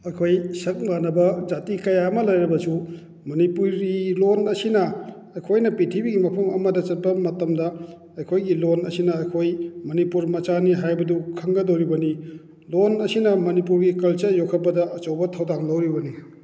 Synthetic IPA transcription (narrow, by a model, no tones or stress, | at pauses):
ɐjkʰojsɐk̚lanɐbɐzatikɐjaɐmɐlɐjɾɐbɐsu | mɐnipuɾilonɐsinɐ | ɐjkʰojnɐpitʰibiɡimɐpʰɐmɐ̰mɐdɐt͡ʃɐt̚bɐmɐtɐmdɐ | ɐjkʰojɡilonɐ̰sinɐɐjkʰojmɐnipuɾmɐt͡ʃaniɦajbɐdukʰɐŋɡɐdowɾibɐni | lonɐsinɐmɐnipuɾɡikɐlt͡ʃɐjokʰɐpɐdɐʔɐt͡ʃowbɐtʰɐwdaŋlɐwɾibɐni